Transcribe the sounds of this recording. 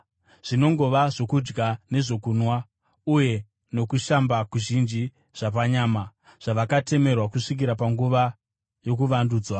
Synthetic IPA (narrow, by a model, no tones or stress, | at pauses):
ʐ̥ino̞ŋɡo̞ʋaʐo̞kud͡ʒɡane̞ʐo̞kunwa | uje̞ | no̞kuʃambakuʒind͡ʒi | ʐ̥ap̬aɲaːma | ʐ̥aʋakate̞me̞rwakuʂik̬iɾapaŋɡuʋa | jo̞kuʋanduːd͡zwa